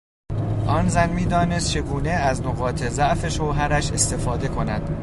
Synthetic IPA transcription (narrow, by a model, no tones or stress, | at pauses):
ʔɒːnzænmiːd̪ɒːne̞st̪̚t͡ʃʰe̞ɡuːne̞æznoɣɒːt̪ʰezæʔfe̞ʃo̞ɦæɾæʃe̞st̪efɒːd̪e̞kʰo̞næ̰d̪̥